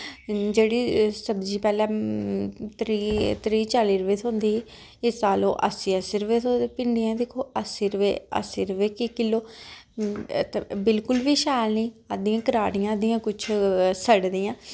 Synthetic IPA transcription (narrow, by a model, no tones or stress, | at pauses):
d͡ʒeːɽiːsəbd͡ʒiːpɛːlɛ̃ː | t̪ɾiːt̪ɾiːt͡ʃaːliːɾəʋeːt̪ʰõːnd̪iː | ɪsaːlo̰ːʔə̰siːəsiːɾəʋeːt̪ʰopɪɳɖijãːd̪ɪkʰoːəsiːɾəʋḛːə̰siːɾəʋeːkɪkɪlːoː | t̪bɪlkʊlʋiːʃaːlniːəd̪ijãːkəɾaːɽɪjãːəd̪ɪjãːkʊt͡ʃʰsəɽd̪ɪjãː